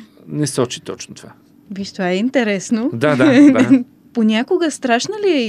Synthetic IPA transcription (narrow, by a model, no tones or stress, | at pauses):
nɛsɔt͡ʃi̥t̪ɔt͡ʃnot̪ova̰ | viʃt̪vaɛint̪ɛɾɛsnod̪ad̪a | ponʲakoɡəst̪ɾaʃnəliɛ